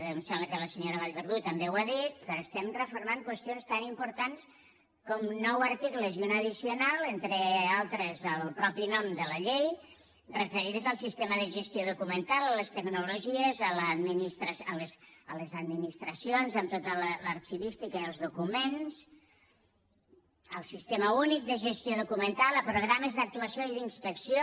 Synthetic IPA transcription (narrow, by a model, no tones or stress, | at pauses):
msɛmbləkələsəɲoɾəβ̞aʎβəɾðut̪əmbewaðit̪pəɾəst̪ɛmrəfuɾmaŋkwəst̪ionst̪animpuɾt̪ans | kɔmnɔwaɾt̪ikləziunəðisiunalˠent̪ɾəalˠt̪ɾəzəlˠpɾɔpinɔmd̪ələʎej | rəfəɾiðəzəlˠsist̪eməðəʒəst̪joðukumənt̪alˠələst̪əɡnuluʒiəzələd̪minist̪ɾəələsələzəd̪minist̪ɾəsijonzəmt̪ot̪ələlaɾt͡ʃiβist̪ikəiəlˠzðukumens | əlˠsist̪eməunik̚d̪əʒəst̪joðukumənt̪alˠəpɾuɣɾaməzðək̚t̪uəsjoiðinspəksijo